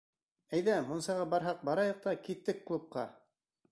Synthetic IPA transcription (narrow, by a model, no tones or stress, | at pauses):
æjðæmunsɑʁɑbɑɾɦɑq̚bɑɾɑjɑq̚t̪ɑkit̪ːɘkːlˠup̚qɑ